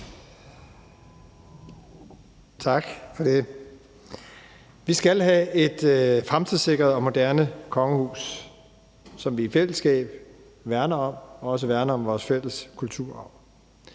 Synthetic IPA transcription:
t͡sʰɑ̈ɡ̥fɒ̽d̥e̝ | ʋisɡ̥ælɦæe̝d̥fʁamt͡sʰiðˠse̝ɡ̥ʁɐð̩ˠɒ̽mo̝d̥æɐnəkʰɒ̽ŋəhṵːs | sɒ̽mʋiːfel̰əsɡ̥ɛ̰ːb̥ | ʋæɐnɐɒ̽mɒ̽ɒ̽s̬əʋæɐnɐɒ̽mʋɒːsfel̰əskʰult͡sʰuɐ̰ɒ

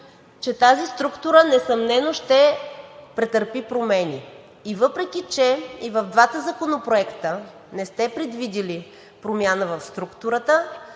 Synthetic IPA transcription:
t͡ʃɛt̪azist̪ɾukt̪uɾənɛsɐmnɛnoʃt̪ɛpɾɛt̪əɾpipɾomɛniː | vɤpɾɛkʲit͡ʃɛivəvd̪vat̪əzɐkonopɾoɛkt̪ə | nɛst̪ɛpɾɛd̪vid̪ili | pɾomʲjanəvəfst̪ɾukt̪ʊɾət̪ə

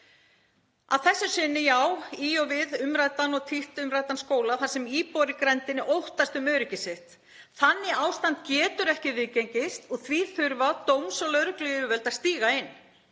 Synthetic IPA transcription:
aðθɛsːʏ̥sɪnːɪjaːwiɔvɪðʏmɾaːjt̪anɔɣt̪ʰiht̪ʏmɾajt̪anskoːwlaθaɾ̥sɛmiːpɔɾɪkɾɛnt̪ɪnːɪʔowht̪ast̪ʏmœɥɾɪcɪsɪht̪ | θanːiaːwst̪ant̪̚cɛːt̪ʏɾɛhcɪvɪcejɲcɪst̪ɔɣθviθʏɾvat̪owmsɔɣlœɥɾʏklœjɪɾʏvɛlt̪ḁst̪iːɣaɪnː

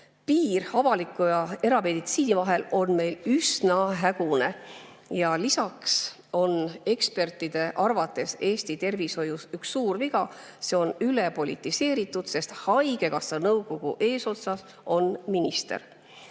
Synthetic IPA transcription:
piːrɑvɑlikːˑujɑe̞ɾɑme̞d̪̥it̪siːnivɑɦe̞lo̞nme̞jlysnɑɦæɡ̥une̞ | jɑlisɑks | o̞ne̞kspe̞rt̪ːˑid̪̥e̞ʔɑrvɑt̪ːˑe̞se̞ːst̪it̪e̞rviso̞jusyksːuːrviɡ̥ɑ | se̞o̞nyle̞po̞lʲit̪ːˑise̞ːɾit̪ːˑud̪̥se̞st̪hɑjɡ̥e̞kɑsːɑnɤwɡo̞ɡ̥uʔe̞ːso̞t̪sɑs | ʔo̞nminist̪ḛr

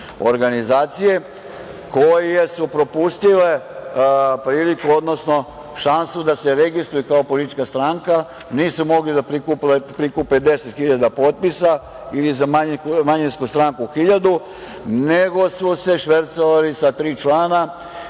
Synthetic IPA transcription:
o̰ɾɡanizaːt̪sije̞ | ko̞jesupɾo̞pust̪ile | pɾiːlikuo̞d̪no̞sno | ʃansud̪aseɾeɡist̪ɾujukaopo̞lit̪i̥t͡ʃkast̪ɾaːŋka | niːsumo̞ɡlid̪apɾikuplepɾikuped̪eset̪xiʎad̪apot̪̚pisa | ilizamaɲikumaɲinskust̪ɾaːŋkuxiʎad̪u | neɡo̞suse̞ʃʋeɾt̪soʋalisat̪ɾiːt͡ʃlaːna

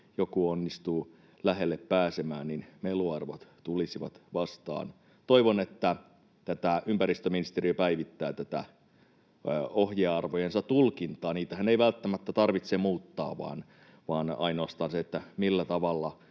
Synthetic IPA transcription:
jokuonːist̪uː | læɦelːeppæːsemæːnninmeluɑrʋo̰t̪t̪ulisiʋɑ̰t̪ʋɑst̪ɑ̰ːn | t̪oiʋonet̪ːæ | t̪æt̪æympæɾist̪øminist̪eriøpæiʋit̪ːæːt̪æt̪æ̰ | ohjeɑrʋojensɑtt̪ulkint̪ɑːniːt̪æhæneiʋælt̪ːæmæt̪ːæt̪ɑrʋit̪semuːt̪ːɑ̰ːʋɑ̰ːn | ʋɑːnɑ̰inoɑst̪ɑːnseet̪ːæmilːæt̪ɑʋɑlːɑ

